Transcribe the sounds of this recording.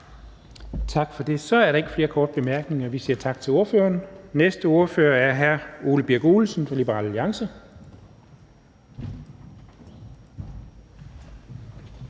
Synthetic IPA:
t͡sʰɑ̈ɡ̥fɒ̽d̥e̝sɒ̽æɐɾ̥ɑ̈e̝ɡ̥ə̥fle̝ːɐkʰɒːd̥̚b̥e̝mæɐɡ̥ne̝ŋɐʋisiːɐt͡sʰɑ̈ɡ̥̚t͡sʰe̝loɐføːɐnnesd̥əo̝ɐføːɐæɐɦæɐo̝ːləb̥iɐɡ̥oːlsn̩fɒlib̥əʁɑ̰ːləliɑ̈ŋsə

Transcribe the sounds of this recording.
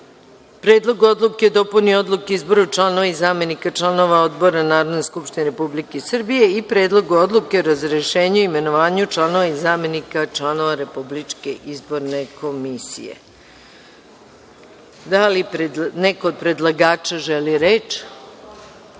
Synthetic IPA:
pɾe̞ːd̪lˠo̞ɡuo̞d̪lˠuked̪o̞punio̞d̪lˠukeizboɾaut͡ʃlˠano̞ʋaizame̞nikat͡ʂlˠano̞ʋaod̪bo̞ɾanaːɾod̪neskupʃt̪ineɾe̞publikesr̩bije̞ipɾe̞ːd̪lˠo̞ɡuo̞d̪lˠuke̞oɾazɾeʃeːɲeuime̞noʋaːɲut͡ʃlˠano̞ʋaizame̞nikat͡ʃlˠanoʋaɾe̞publit͡ʃke̞ʔizbo̞ɾne̞ko̞misḭjḛ | d̪alipɾenekoːd̪̚pɾe̞d̪lˠaɡaːt͡ʃaʒeliɾeːt͡ʃ

